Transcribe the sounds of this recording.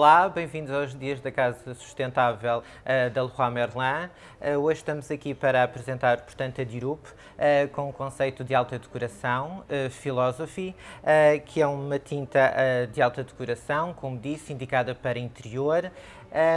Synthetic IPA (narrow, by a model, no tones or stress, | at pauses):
ɔlˠabɐ̃j̃vĩnd̪uzawʒðiɐʒðɐkazɐsu̥ʃt̪ẽnt̪avɛlˠ | ɛd̪ɐlˠuʁamɛɾlˠɐ̃ | ɛoʒʃt̪ɐmuzɐkipɐɾɐɐpɾɨzẽnt̪aɾpuɾt̪ɐ̃nt̪ɐd̪iɾup | ɛkõukõsɐjt̪ud̪ɨalˠt̪ɐðkuɾɐsɐ̃w̃ɛfilˠɔzɔfiɛkʰɨɛumɐt̪ʰĩnt̪ɐʔɛd̪ɨalˠt̪ɐd̪kuɾɐsɐ̃w̃komud̪isĩnd̪ikaðɐpɐɾɐĩnt̪ɨɾioɾ | ɛ